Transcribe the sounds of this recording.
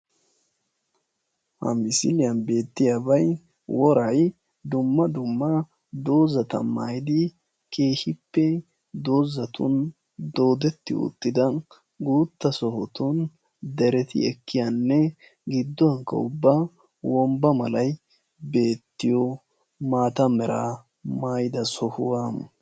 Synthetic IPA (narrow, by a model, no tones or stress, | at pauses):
hɐ̰mɪsɪlɪjɐnbe̞ːt̪ːɪjabɐj | wɔɾɐj | d̪ʊmːɐd̪ʊmːɐ | d̪o̞ːzɐt̪ɐ̰mːaːjɪd̪ɪ | kʰʼe̞ːhɪpːɛ | d̪o̞ːzɐt̪ʊ̰n | d̪o̞ːd̪ɛt̪ːɪ̰ʊ̰t̪ːɪd̪ɐ | ɡuːt̪ːɐsɔhɔt̪ʊn | d̪ɛɾɛt̪ɪ̰ɛkːɪjanːɛ | ɡɪd̪ːɔɐŋkːɐ̰ʊbːa | wɔmbɐmɐlɐj | be̞ːt̪ːɪjɔ | maːt̪ɐmɛɾa | maːjɪd̪ɐsɔhʊwam